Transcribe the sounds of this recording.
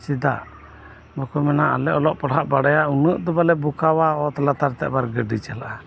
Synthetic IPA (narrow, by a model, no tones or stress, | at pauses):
t͡ʃid̪a̰ʔ | bɔkumɛnaʔa̰lɛʔɔlɔʔpɔɽɦaʔbaɽajaunəʔd̪ɔbalɛbukawaɔt̪alat̪aɾt̪ɛʔbaɾɡəɖit͡ʃalaʔa